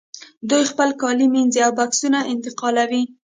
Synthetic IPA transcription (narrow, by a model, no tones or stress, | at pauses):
d̪ujxpəlkɑliminziawbaksunaɪnt̪ɪqɑlawi